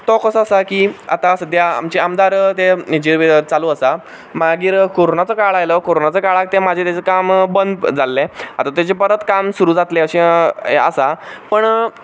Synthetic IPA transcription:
t̪ɔkəsasakiːa̰t̪asəd̪ʱjaa̰mt͡ɕeamd̪aɾt̪ed͡ʑiʋet͡saluəsa | maɡiːɾkoɾonat͡səkaɭajləkoɾonat͡səkaɭak̚t̪emad͡ʑʱet̪jat͡sekambənd̪d͡zalːẽa̰t̪at̪jat͡ɕepəɾət̪kamsuɾuːd͡zat̪leəɕẽḛə̰sapəɳ

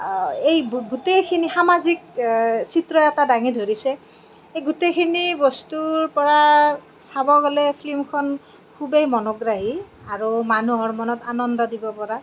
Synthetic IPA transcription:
ejɡutejkʰinixamazik̚sitɹɔɛtadaŋidʱoɹisɛ | ejɡutejkʰinibɔstuɹpɔɹa | sabɔɡɔlɛpʰlimkʰɔn | kʰubejmɔnɔɡɹaɦi | aɹumanuɦɔɹmɔnɔtanɔndɔdibɔpɔɹa

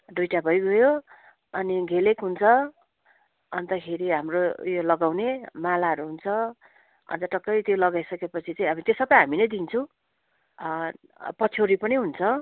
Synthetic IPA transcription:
d̪ujʈabʱʌjɡʌjo | ʌniɡʱelekɦunt͡sʰʌ | ʌnt̪ʌkʰeɾiɦamrojolʌɡawnemalaɦʌɾuɦunt͡sʰʌ | ʌ̰nd͡z̪ʌʈʌkːʌjt̪jolʌɡajsʌkepʌt͡sʰit͡saj̃ʌbʌt̪esʌbʌjɦaminʌjd̪int͡sʰʌ̃w̃ | pʌt͡sʰoɾipʌniɦunt͡sʰʌ

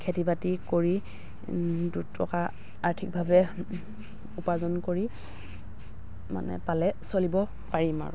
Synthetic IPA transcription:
kʰetibatikoɹi | dutʰɔ̰ka | aɹtʰik̚bʱabɛ | upazɔnkoɹi | ma̰nɛ̰palɛsolibɔ | paɹima̰ɹu

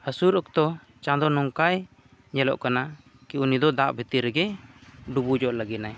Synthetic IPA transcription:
həsuɾɔk̚t̪ɔ | t͡ʃãd̪ɔnɔŋkaj | ɲɛlɔ̰ʔkana | kiunid̪ɔd̪aʔbʱit̪iɾɛɡɛɖubud͡ʒɔʔləɡinaj

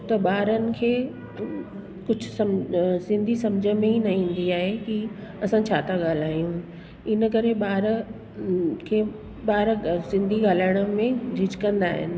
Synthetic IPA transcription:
t̪ɐɓaːɾənɪ̆kʰeː | kʊd͡ʑʱʊsɐmsɪ̃nd̪ʱisɐmd͡ʑʱəmẽɦinɐĩːn̆d̪iaːɦekiɐsãt͡ɕʰaːt̪ʰaɠaːl̤aːjũ | ɪnəkɐɾeɓaːɾ | kʰeː | baːɾsɪ̃nd̪ʱiɡaːlaːɪɽ̃əmẽd͡ʑɪd͡ʑkɐ̃nd̪aːɦɪ̰nɪ̆

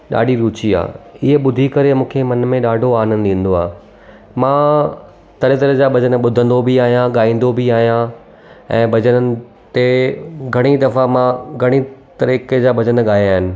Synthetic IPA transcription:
ɗa̰ːɗiɾuːt͡ɕia̰ːɪɦeɓʊd̪ʱikɐɾemũːkʰemɐnmẽɗaːɖʱoaːnənɗĩːn̆d̪oaː | mãː | t̪ɐɾet̪ɐɾəɦd͡ʑaːbʱɐd͡ʑənə̆ɓʊd̪ʱə̃n̆d̪obʱiaːɦijãɠaːĩːn̆d̪obʱiaːɦijã | ɛ̃ːbʱɐd͡ʑənəɪ̆ | t̪eɡʱɐɽ̃id̪ɐfamãɡʱɐɽ̃it̪ɐɾiːked͡ʑaːbʱɐd͡ʑənə̆ɠaːjaːɦɪnɪ̆

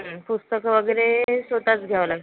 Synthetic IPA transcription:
pust̪əkʋəɡəɾesʋət̪at͡sɡʱjaʋlaɡ

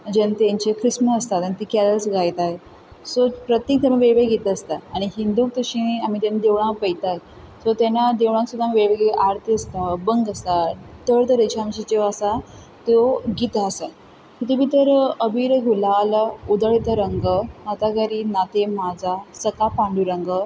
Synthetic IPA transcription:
d͡ʑent̪jãɲt͡ɕekɾisməəst̪at̪ãit̪ikaləsɡajt̪aje | sopɾət̪jek̚t̪amə̃ʋeɭʋeɡʱet̪əːst̪aːɽ̃iɦind̪uːk̚t̪əɕĩam̤iːt̪enad̪eʋɳ̃ãpəjt̪aɦe | sot̪anad̪eʋɳ̃ãŋksud̪ʱamiʋeɭʋeɡeʔaɾt̪ʰiəst̪abəŋɡəst̪at̪əɭt̪əɾet͡ɕʰamɕit͡ɕeʋasa | t̪oɡit̪aːsa | kit̪ubit̪əɾəbiɾɡʱulalaud̪əɭit̪əɾəŋɡəat̪aɡaɾiːnat̪emad͡zasəkapaɳɖuɾəŋɡə

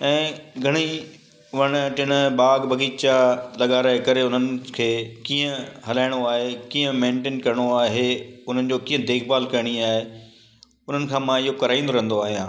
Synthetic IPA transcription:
ɛ̃ːɡʱɐɽ̃i | ʋɐɽ̃ʈɪɽ̃ɓaːɡbɐɡiːt͡ɕalɐɠaːɾaːekɐɾeʊnənɪ̆kʰeːkĩːə̃ɦɐlaːɪɽ̃oaːɦekĩːə̃mẽːɳʈẽːnkɐɾɪɽ̃oaːɦeʊn̤ənɪ̆d͡ʑoːkĩːə̃d̪eːkʰbaːlkɐɾɪɽ̃iaːɦe | ʊn̤ənɪ̆kʰãːmãɪɦokɐɾaːĩːnd̪oɾɐɦənd̪oaːɦijãː

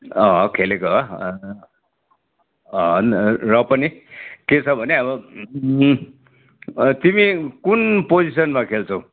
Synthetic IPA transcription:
ʌɦʌkʰelekoʌ | ʌnrʌpʌniket͡sʰʌbʱʌneʌbʌ | t̪imikunpod͡zisʌnmakʰelt͡sʰʌ̃w̃

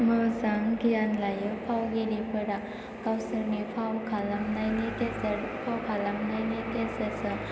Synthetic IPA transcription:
mɯsaŋɡijanlajɯpʰawɡeɾipʰɯɾa | kawsɯɾnipʰawkʰalamnajnɯte | pʰawkʰalamnajnɯtesəsɯ

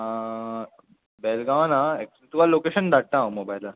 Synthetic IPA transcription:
a | beːlɡãʋnãek | t̪uʋalokeɕənd̪aʈ̚t̪ãõmobajla

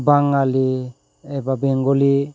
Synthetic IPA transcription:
baŋali | ebabeŋɡoli

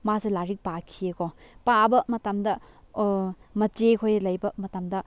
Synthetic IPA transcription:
maselaɾik̚pakʰiekɔpabɐmɐtamdɐ | mɐt͡ʃekʰojlɐjbɐmɐtamdɐ

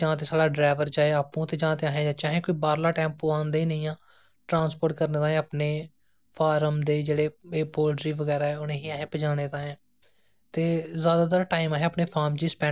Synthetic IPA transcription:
d͡ʒãːt̪eːsaːlaːɖɾaːʋəɾd͡ʒaːeːaːpũːt̪eːd͡ʒãːt̪eːaːɦẽːd͡ʒãːt͡ʃãːɦẽːkoːiːbaːɾlaːʈɛ̃ːmpoːãːnd̪eːiːnəĩːãː | ʈɾãːnspoːɾʈkəɾneːt̪ãːaːpneː | pʰaːɾəmd̪eːd͡ʒeːɽeːeːpoːlɖɾiːʋəɡɛːɾaːɛːʊnẽːɦiːaːɦẽːpəd͡ʒãːneːt̪ãːẽː | t̪eːzjaːd̪aːt̪̬aːɾʈaːimaːɦẽːəpneːpʰaːɾmd͡ʒiːspɛ̃ː

